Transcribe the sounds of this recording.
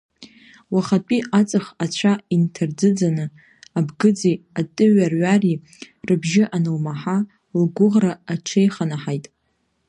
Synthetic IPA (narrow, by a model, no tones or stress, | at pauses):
waχat͡pʼiʔat͡sʼɨχat͡ɕʷʰaintʰard͡zɨd͡zanɨ | abɡɨd͡zejatʼɨɥarɥari | rɨbʒɪʔanɨlmaħa | lɡʷʊʁraːʈ͡ʂʷʰejχanaħajtʼ